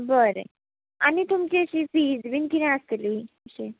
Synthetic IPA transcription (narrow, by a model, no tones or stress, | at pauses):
bəɾḛ | a̰nit̪umt͡ɕiəɕifid͡zbinkinẽəst̪eliəɕi